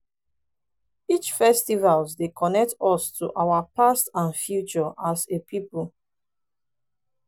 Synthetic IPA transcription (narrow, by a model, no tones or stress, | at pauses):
it͡ʃfɛstivalsdekʰɔnɛk̚tɔstʰuʔawapastãnfjut͡ʃɔʔasepʰipl